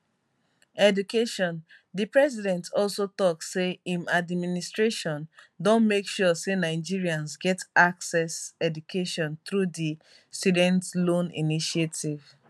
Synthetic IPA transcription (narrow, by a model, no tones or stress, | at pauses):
ɛdukeʃɔ̃n | dipɹɛs̬idɛ̃ntɔlsotɔksːeĩnadmministɹeʃɔ̃n | dõnmekʃusenaɪd͡ʒiɹiãnzɡɛtaksɛsɛdukʰeʃɔ̃nθɹudi | studɛ̃ntlõnḭniʃietiv̥